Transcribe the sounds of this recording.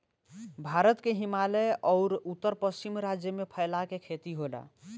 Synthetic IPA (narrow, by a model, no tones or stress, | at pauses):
bʱaɾət̪keɦimaleʔɔʊɾut̪ːəɾpəst͡ʃimɾad͡ʒjəmepʰəɪlakekʰet̪iɦola̰